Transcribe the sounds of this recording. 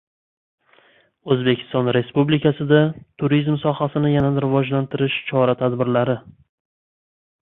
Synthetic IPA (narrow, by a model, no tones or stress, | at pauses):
ɵzbekʲʰɪ̥st̪ɒnɾe̞spublikʰʲasɪd̪at̪ʰʊɾizmsɒhasɪnɪjananɾɪvɒd͡ʒlant̪ʰɪɾɪʃt͡ʃʰɒɾat̪ʰad̪bɪɾlaɾɪ